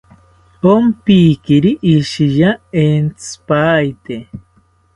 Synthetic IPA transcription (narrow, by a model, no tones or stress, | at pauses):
ompiːkiɾiʔːʃijaent͡sɨ̥pajt̪e